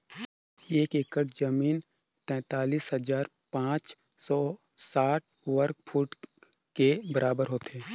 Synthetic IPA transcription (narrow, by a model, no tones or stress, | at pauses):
eːkeːkəʈʰd͡ʒəmiːn | t̪ɛ̃ːt̪aːliːsɦəzaːɾ | pãːt͡ʃ | sɔː | saːʈ̚ | ʋəɾkpʰuːʈ | kebəɾaːbəɾɦoːt̪eː